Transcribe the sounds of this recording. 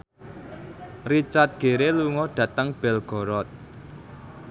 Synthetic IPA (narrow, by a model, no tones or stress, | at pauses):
rit͡ʃat̪̚ɡ̥e̤ɾeluŋɔd̥ä̤t̪əŋb̥ɛlɡ̥ɔ̤ɾɔt̪̚